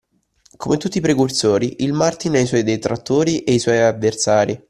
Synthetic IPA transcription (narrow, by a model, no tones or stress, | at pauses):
komet̪ːut̪ːipɾekursoːɾiʔilmart̪inaiswɔjd̪et̪ɾat̪ːoːɾiʔejswɔjavːersaːɾi